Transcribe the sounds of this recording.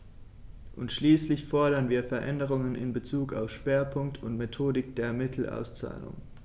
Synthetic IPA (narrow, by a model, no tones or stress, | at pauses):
ʔʊntʃliːslɪçfɔɐɾɐnviːɐfɛɐʔɛndəʁ̞ʊŋənɪ̰nbət͡suːkaʊfʃv̥eːɐpʰʊŋk̚tʰʊntmetʰoːdɪk̚d̥eːɐmɪtʰl̩ʔa̰ʊst͡sa̰ːlʊ̰ŋ